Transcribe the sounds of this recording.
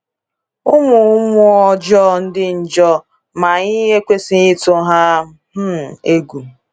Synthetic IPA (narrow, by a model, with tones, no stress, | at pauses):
ʊ˦mʊ˨˦mʊ˦ɔ˦d͡ʒɔ˦n̩˦dɪ˦n̩˨d͡ʒɔ˦ | ma˨ɲi˦ɦe˦kʷe˦si˦i˦to˦ɦa˦ | m̩˦˨e˦ɡu˨